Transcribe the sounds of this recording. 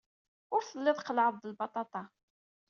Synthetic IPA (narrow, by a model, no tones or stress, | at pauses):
ʊɾθəlːɪðˤqəlʕəðˤːəlbɑt̪ˤɑt̪ˤɑ